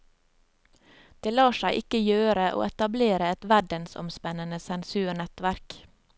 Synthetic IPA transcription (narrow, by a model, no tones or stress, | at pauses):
d̪̥eːlɑːʃæɪʔɪkəjøːɾəʔo̰ːɛt̪ɑbleːɾəɛt̪ʋæɖənsɔ̰mspɛnənəsɛnsʉːɳɛt̪ʋæɾk